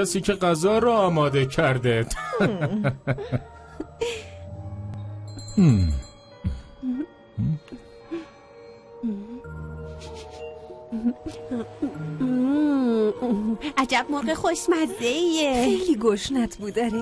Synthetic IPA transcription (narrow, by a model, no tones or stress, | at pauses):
æsiːcʰeɢæzɒːɾɔːmɒːd̪ecʰæɾd̪ed̪ | ʔæd͡ʒæb̚moɾɢexoʃmæzd̪eiexejliːɡoʃnæt̪ʰbuːd̪ɒɾe